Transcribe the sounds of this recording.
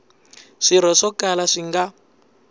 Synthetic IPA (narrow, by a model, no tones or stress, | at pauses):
ʂiɾ̤ɔʂɔkalaʂiŋɡa